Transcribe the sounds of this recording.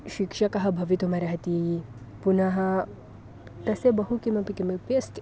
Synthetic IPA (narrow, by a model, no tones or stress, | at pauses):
ʃikʃɐkɐɦɐbʱɐʋit̪omɐɾɐɦɐt̪i | punaɦɐ | t̪ɐsebɐɦukimɐpikimepest